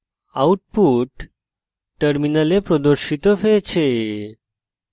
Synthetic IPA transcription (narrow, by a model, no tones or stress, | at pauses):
auʈ̚puʈː | əɾminalepɾɔd̪əɾɕit̪ɔfet͡ɕʰe